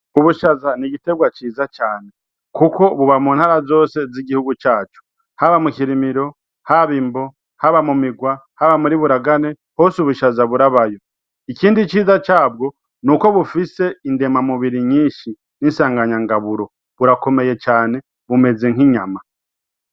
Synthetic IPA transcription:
uβuʃazaniɟite̞bɡwat͡ʃiːzat͡ʃaːne̞ | kuko̞βuβamuːnhaɾazo̞ːse̞ziɟihuɡut͡ʃaːt͡ʃu̥ | haβamuciɾimiɾo̞ | haβiːmbo̞ | haβamumiɡwa | haβamuɾiβuɾaɡane̞ | hosuβuʃazaβuɾaβajo̞ | iciːndit͡ʃiːzat͡ʃaːb̚ɡo̞ | nuko̞βufise̞inde̞mamuβiɾiɲiːʃi | ninsaːŋɡaɲaŋɡaβuɾo̞ | βuɾako̞me̞je̞t͡ʃaːne̞ | βume̞ze̞ŋ̥iɲama

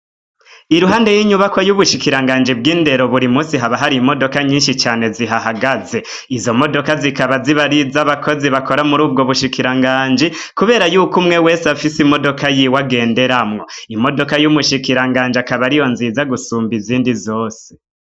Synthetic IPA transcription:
iɾuɦaːnde̞jiːɲuβakojuβuʃikiɾaŋɡaːnd͡ʒibɡiːnde̞ɾo̞βuɾimuːsiɦaβaɦaɾiːmo̞do̞kaɲiːnʃit͡ʃaːne̞ziɦaɦaɡaze̞ | izo̞mo̞do̞kazikaβaziβaɾizaβakʰo̞ziβakʰo̞ɾamuɾuːb̚ɡo̞βuʃikiɾaŋɡaːɲd͡ʒi | kuβeːɾajuːkumŋe̞we̞ːsafisimo̞do̞kajiwaɡe̞ːnde̞ɾamŋo̞imo̞do̞kajumuʃikiɾaŋɡaːnd͡ʒiakaβaɾijo̞nziːzaɡusuːmbiziːndizo̞ːse̥

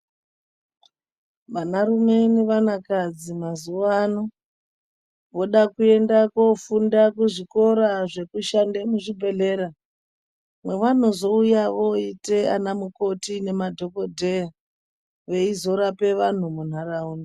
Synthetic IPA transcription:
ʋanarume̞neʋanakad͡zimazuano | ʋo̞ɗakue̞ndakofundakuʐiko̞ɾaʐe̞kuʃandemuʐibʱe̞ɮe̞ːɾa | mwe̞ʋan̤ozo̞ujaʋoite̞a̰namuko̞tine̞madʱo̞ko̞dʱeja | ʋe̞izo̞ɾape̞ʋan̤umun̤aɾauːni

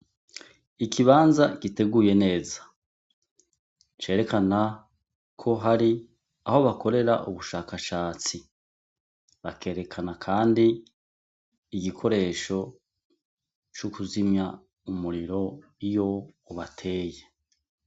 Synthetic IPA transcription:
ikʰiβaːnzaɡ̥ite̞ɡuːje̞ne̞ːzḁ | t͡ʃe̞ːɾe̞kana | kʰo̞ɦaɾi | aho̞βakʰo̞ɾe̞ɾa̰ʔṵβuʃaːkaʃaːt͡si | βake̞ːɾe̞kʰanakʰaːndi | ɡikʰo̞ɾe̞ːʃo̞ | t͡ʃukuzimɲa | umuɾiɾo̞ | ijo̞ː | βatʰe̞ːje

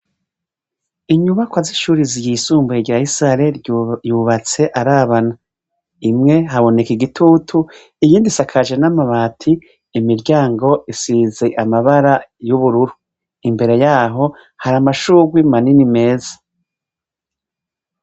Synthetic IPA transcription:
iɲuβakwaziʃuːɾizijisuːmbueɟaisɾaɾejuːβat͡se̞ʔaɾaːβana | imŋe̞ɦaβo̞ne̞kiɡitʰuːtʰu | ijiːndisakʰaʒenamaβaːtʰiː | miɾɟaːŋɡo̞ʔisize̞ʔamaβaɾajuβuɾuɾu | imbe̞ɾe̞jaːɦo̞ | haɾamaʃuːɡwimaninime̞ːzḁ

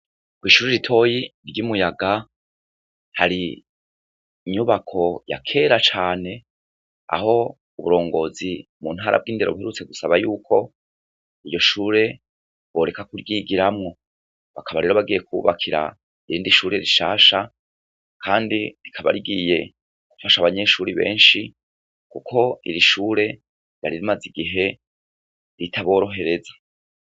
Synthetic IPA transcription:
kwiːʃuːɾeɾitʰo̞jiɾɟumujaɡa | haɾi | ɲuβakʰo̞ja̰kʰe̞ɾat͡ʃaːne̞ | a̰ho̞ | uβuɾo̞ːŋɡo̞zimun̥haːɾʔa̰b̚ɡiːnde̞ɾo̞βuheɾut͡se̞ɡusaβajuːkʰo̞ | ijo̞ʃuːɾe̞ | bwo̞ːɾe̞kakuɾɡiɡiɾamŋo̞ | βakaβaɾe̞ːɾo̞βaɡiːje̞kṵβakʰiɾa̰ | iɾiːndiʃuːɾe̞ɾiʃa̰ːʃa | kʰaːndiɾikʰaβa̰ɾiɡiːje̞ | ɡ̥ufaʃaβaɲe̞ʃuːɾiβe̞̰ːnʃi | kukʰo̞ḭɾiʃuːɾe̞ | jaɾiɾimaziɡiɦe̞ | ɾitʰaβo̞ːɾo̞ɦe̞ɾe̞za

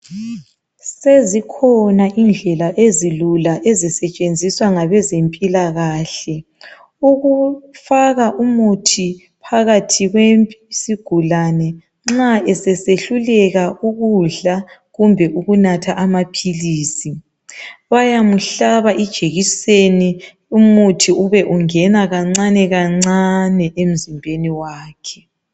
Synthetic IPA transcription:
sezikʰɔnaʔind͡ɮʱɛlaʔezilulaʔezisɛt͡ʃʼend͡zʱiswaŋaβɛzempʼilaɣaːɬɛ | uɣufaɣaʔumutʰi | pʰaɣatʰiɣwempʼsiɡ̥ʱulanɛ | ŋ͡ǁaʔɛsɛseɬulɛɣauɣuɮaɣumbʱɛʔuɣunatʰaʔamapʰiliːsi | βajamuɬaβaʔid̥ʒ̥ʱeɣiseni | umutʰiuβɛʔuŋɛnaɣaŋ͡ǀanɛɣaŋ͡ǀanɛʔem̩zimbʱeniwaːkʰɛ̥

